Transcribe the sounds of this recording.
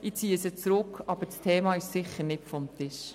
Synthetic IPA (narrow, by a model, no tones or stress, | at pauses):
it͡siːəsət͡sɾʊkʰːɑb̥əɾt͡stʰeːmɑɪʃsɪχəɾnɪtfɔmt̪ɪʃ